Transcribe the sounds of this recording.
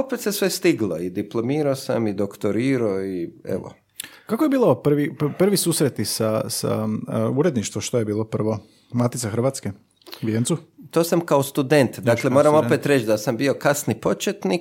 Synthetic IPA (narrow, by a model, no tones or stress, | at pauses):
opet̪se̞sʋest̪iɡlˠoid̪iplˠo̞miːɾosa̰mid̪okt̪oɾiːɾoiḛʋo̰ | kakojebiːlˠopr̩ʋipr̩ʋisuːsɾet̪isasa̰uɾed̪niʃt̪ʋoʃt̪ojebiːlˠopr̩ʋo | mat̪it̪saxɾrʋaːt̪ske | uʋjent̪sut̪oːsamkaost̪ud̪e̞nt̪d̪akle̞mo̞ɾamo̞pet̪ɾet͡ʃd̪asambio̞kasnipo̞t͡ʃet̪ni